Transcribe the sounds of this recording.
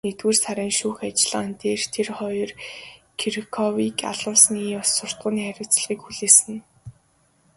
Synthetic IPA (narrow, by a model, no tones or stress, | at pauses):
net̪wuːrsʰaɾɪːŋʃuːxat͡ɕɪ̆ɮə̆ant̪eːrt̪ʰerχɔjɞ̆rkʰirikʰɔwiːka̰ɮʊːsniːɔsːʊr̥t̪̚ɢʊːniːχæɾʲɪ̆wʰt͡sɮʁiːkxuɮeːsɘ̆n